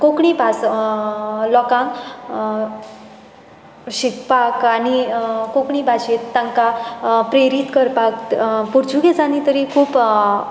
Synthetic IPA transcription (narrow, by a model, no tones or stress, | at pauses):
kokɳipas | lɔkãŋk | ɕikpakanikokɳibʱaɕet̪ːãŋkapɾeɾit̪kəɾpakpuɾd͡ʑʰuɡet͡sãnit̪əɾikʰuːp